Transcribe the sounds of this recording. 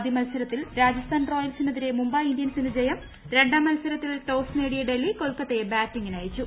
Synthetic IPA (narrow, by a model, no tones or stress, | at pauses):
d̪imɐlsɐɾɐt̪ːilɾaːd͡ʑɐst̪ʰaːnro̞ːjɐlsinːɐðiɾe̞mumbɐːjindijɐnsinɨd͡ʑejɐm | ɾe̞ɳɖaːmːɐlsɐɾɐt̪ːilʈoːsne̞ːɽijeɖelːiko̞lkːɐt̪ːejebaːtːiŋɡinaːjit͡ɕːu